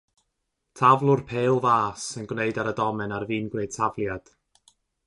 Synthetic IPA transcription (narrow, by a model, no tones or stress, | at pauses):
tʰavlˠʊrpʰeːlˠvaːsənɡwneɨdaɾədɔmɛnarviːnɡweːd̚tʰavlˠjad̥